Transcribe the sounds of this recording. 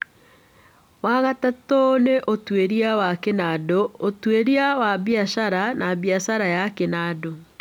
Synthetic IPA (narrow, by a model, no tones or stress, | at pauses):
waɣatatɔneʔotweɾiawakenadootweɾiawabjaʃaɾanaβjasaɾajakenado